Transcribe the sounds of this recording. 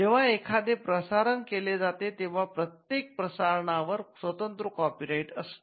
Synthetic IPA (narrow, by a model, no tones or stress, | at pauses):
d͡ʑeʋ̤aekʰad̪epɾəsaɾənkeled͡zat̪et̪eʋ̤apɾət̪jek̚pɾəsaɾɳaʋəɾsʋət̪ənt̪ɾəkɔpiɾaiʈəst̪